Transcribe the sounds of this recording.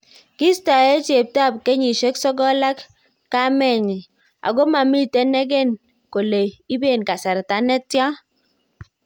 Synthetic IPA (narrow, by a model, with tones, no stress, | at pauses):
ki˦sta˨ɛ˦t͡ʃe˨p̚ta˦˨pke˦ɲi˨ʃe˦ksɔ˦ɡɔ˦la˦kː | a˦mɛ˦˨ɲi˨ | a̰˨ɡo˦ma˨mi˦tɛ˦nɛ˦ɡɛ˦˨n | ko˨le˨i˦be˦˨nka˨sa˨ɾta˨nɛ˦tja˦